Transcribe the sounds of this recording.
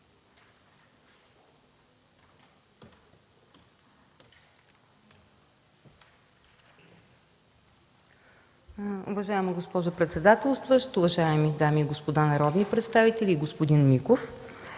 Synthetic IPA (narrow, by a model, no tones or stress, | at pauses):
ovɐʒaɛmɐɡospɔʒʊpɾɛt̪sɛd̪at̪ɛlˠst̪vəʃt̪ʊvɐʒaɛmid̪amiːɡospod̪anɐɾɔd̪nipɾɛt̪st̪avit̪ɛlʲiɡospod̪inmikof